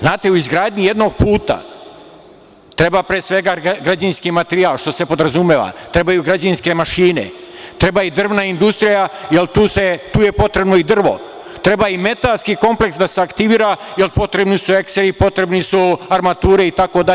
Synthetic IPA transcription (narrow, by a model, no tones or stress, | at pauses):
znaːt̪e̞uizɡɾaːd̪ɲuje̞d̪no̞ɡ̚puːt̪a̰ | t̪ɾe̞bapɾeːsʋe̞ɡaɡɾad͡ʑinskiːmat̪eɾialˠʃt̪o̞sepo̞d̪ɾazumeʋa̰t̪ɾe̞bajuɡɾad͡ʑinske̞maʃiːnḛt̪ɾe̞baid̪r̩ʋnaind̪ust̪ɾijajelt̪uːset̪uːje̞po̞t̪ɾe̞bno̞id̪r̩ʋo̞̰ | t̪ɾe̞baime̞t̪alskiːko̞mple̞ksd̪aseakt̪iʋiːɾajelpo̞t̪ɾe̞bnisue̞kseɾipo̞t̪ɾe̞bnisuaɾmat̪uːɾe̞it̪ako̞d̪a